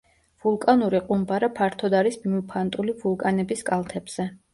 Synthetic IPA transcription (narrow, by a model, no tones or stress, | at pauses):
vulˠkʼanuɾiqʼumbaɾapʰaɾt̪ʰɔd̪aɾismimupʰant̪ʼulivulˠkʼanɛbiskʼalˠt̪ʰɛbz̥ɛ